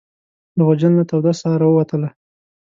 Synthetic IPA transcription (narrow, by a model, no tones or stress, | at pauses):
d̪əɣad͡ʒanːat̪awd̪asɑɾawəwat̪əla